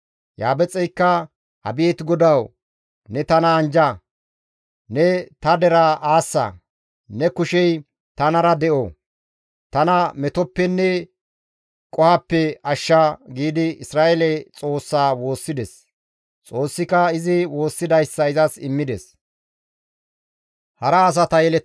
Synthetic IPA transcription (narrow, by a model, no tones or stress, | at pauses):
ja̰ːbɛt͡sʼːɛjkːɐ | hɐ̰bɪɛt̪ɪɡɔd̪ɐw | nɛt̪ɐnɐːnd͡ʒɐ | nɛt̪ɐd̪ɛɾaʔaːsːɐ̰ | nɛkʊʃɛj | t̪ɐnɐɾɐd̪ɛʔo | t̪ɐnɐmɛt̪ɔpːɛnːɛ | kʼɔhɐpːɛɐʃːaɡiːd̪ɪɪsɾaːʔɛlɛt͡sʼo̞ːsːaːwo̞ːsːɪd̪ɛs | t͡sʼo̞ːsːɪkɐɪzɪwo̞ːsːɪd̪ɐjsːɐɪzɐsɪmːɪd̪ɛs | hɐɾɐːs̬ɐt̪ɐjɛlɛ